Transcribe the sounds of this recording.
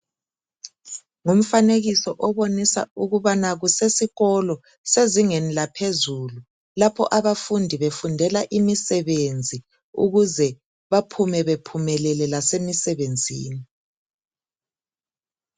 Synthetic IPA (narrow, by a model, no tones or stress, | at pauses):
ŋum̩faneɣisɔʔɔβonisa̰uɣuβanaɣusesiɣɔlɔ | seziŋenilapʰezulu | lapʰɔ̰ʔaβafundʱiβefundʱɛlaʔimisɛβend͡zʱi | ṵɣuzɛ | βapʰumɛβepʰumɛlɛlɛlasemisɛβend͡zʱḭːni